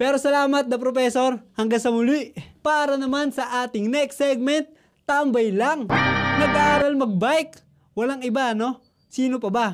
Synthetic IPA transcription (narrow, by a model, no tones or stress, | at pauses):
pɛːɾo̞sɐlaːmɐt̪̚nɐpɾopɛso̞ɾhɐŋɡaŋsɐmʊliʔpaɾɐnɐmansɐʔaːt̪ɪŋnɛɛksɛɡ̚mɛnt̪̚ː | aɐmbɐjlaŋnɐɡaʔaːɾɐlmɐɡ̚bajk | wɐlaŋɪbano̞ | siːnopɐba